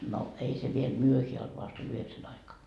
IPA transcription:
no ei se ʋiel myøheæ olt ʋɑst olʲ yheksæn ɑikɑː

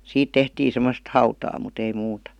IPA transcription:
siːt tehtiː semost hɑutɑː mut ei muːtɑ

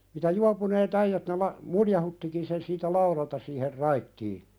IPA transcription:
mitæ juɑpuneːt æijæt ne lɑ muljɑhutːiˑkin sen siːtæ lɑuɾɑltɑ siːher rɑitːiː

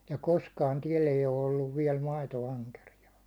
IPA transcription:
jɑ koskɑːn tiɛl eij o olːuʋ ʋiɛl mɑitoɑŋkerijɑː

